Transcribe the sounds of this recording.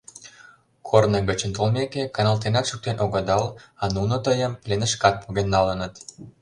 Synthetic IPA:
kʰornəɣət͡ɕə̆nt̪olmekekɑnɑlt̪enɑk̪ʃuk̚t̪enʔoɣəd̪ɑlɑnunot̪əjəmplenəʃkɑt̪̚puɣenːɑlənət̪

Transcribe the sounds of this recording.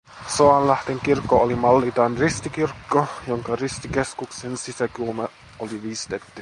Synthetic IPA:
soɑnlæht̪eŋkirkːoolimɑlːit̪ɑnrist̪ikirkːojoŋkɑrist̪ikeskuksensisækulmɑ | oliʋiːst̪et̪ːy

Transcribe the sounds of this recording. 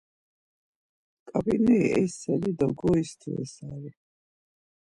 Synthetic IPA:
kʼabinɛiɛsɛlid̪ɔɡɔist̪ʰḭɛ̰saɾi

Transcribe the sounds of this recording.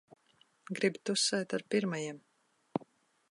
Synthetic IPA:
ɡɾibt̪usɛːjt̪aɾpiɾmajiɛm

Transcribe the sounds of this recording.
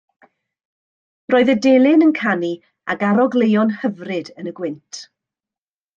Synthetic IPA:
roːɨðədelˠɪnənkʰani | aɡaɾɔɡlejɔnhəvrɨdənəɡwɪntʰ

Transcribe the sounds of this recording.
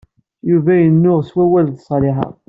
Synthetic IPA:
juvæjənːʊʁswæwælðsˤlɪħɑ̰

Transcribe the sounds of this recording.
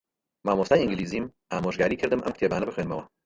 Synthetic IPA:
maːmoːst̪aːjɪ̃ŋɡɪliːziːm | aːmoʒɡaːɾiːkʰɨɾd̪ɨmʔɐ̰mkʰt̪ʰeːbaːnɐbɨxweːnmɐwɐ

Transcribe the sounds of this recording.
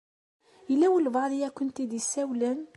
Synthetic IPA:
əlːæwəlvɑʕðˤijækʊnt̪id̪isæwlæn

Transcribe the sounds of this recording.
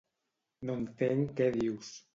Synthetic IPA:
nont̪eŋkɛðiws

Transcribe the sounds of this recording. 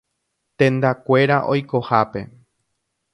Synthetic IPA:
t̪ẽ̞nd̪akʷe̞ɾaʔo̞jko̞hape̞̰

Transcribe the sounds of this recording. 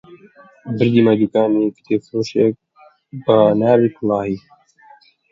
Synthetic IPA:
bɪɾd̪iːmãːd͡ʒikaːmiːkt̪ʰeːfɾoːʃek̚ | baːnaːɾikʰlaːɦiː

